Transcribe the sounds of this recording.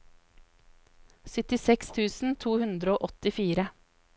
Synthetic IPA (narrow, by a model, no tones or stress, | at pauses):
sʏt̪ɪsɛkst̪ʰʉːsn̩t̪ʰuːhʉnd̪ɾəoːʔɔt̪ɪfiːɾə